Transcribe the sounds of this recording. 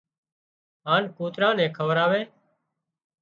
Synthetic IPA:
ɦaːnkuːt̪ɾãːnɛ̃ːkʰəʋəɾaːʋeː

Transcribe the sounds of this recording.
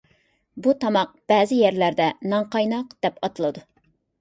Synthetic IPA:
but̪ʰɑmɑq̚b̥ɛːzɪjɛɾlæɾd̪ɛnɑɴqɑjnɑqd̪̥ɛpɑt̪ɨlˠɨd̪u

